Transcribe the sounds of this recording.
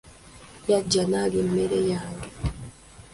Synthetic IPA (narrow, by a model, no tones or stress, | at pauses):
jaɟːanaːlemːeɾejaːŋɡe